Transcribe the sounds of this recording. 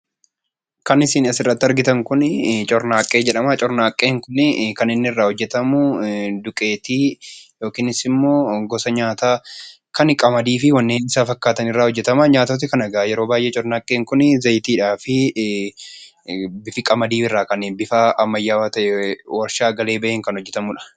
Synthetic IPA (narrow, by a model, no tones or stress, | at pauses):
kɐnɪsiːnɐsɪrːɐt̪ːɪɐɾɡɪt̪ɐŋkʊnɪt͡ʃʼɔɾnaːkʼːe̞ːd͡ʒɛᶑɐmat͡ʃʼɔɾnaːkʼːeːŋkʊnɪkɐnɪnːɪɪrːaːhɔd͡ʒːɛt̪ɐmʊd̪ʊkʼeːt̪iːjo̞ːkiːnɪsɪmːo̞ːɡɔsɐɲaːt̪aː | kɐnkʼɐmɐd̪iːfɪwɐnːeːnɪsaːfɐkːaːt̪ɐnɪrːaːhɔd͡ʒːɛt̪ɐmɐɲaːt̪ɔt̪ːɪkɐnɐɡaːjɛɾo̞ːbaːjʔet͡ʃʼɔɾnaːkʼːeːŋkʊnɪzɐjt̪iːᶑaːfɪ | bɪfɪkʼɐmɐd̪iːfɪrːaːkɐnɪbɪfaːʔɐmːɐjːaːwat̪ɐʔɛwɐɾʃaːɡɐle̞ːbɐʔeŋkɐnhɔd͡ʒːɛt̪ɐmʊᶑɐ̥